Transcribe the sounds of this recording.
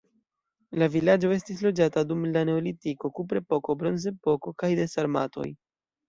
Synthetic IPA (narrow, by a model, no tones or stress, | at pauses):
lavilad͡ʒo̞e̞stislo̞d͡ʒatadumlane̞o̞litiko̞kupɾe̞po̞ko̞bɾo̞nze̞po̞ko̞kajde̞saɾma̰to̞̰j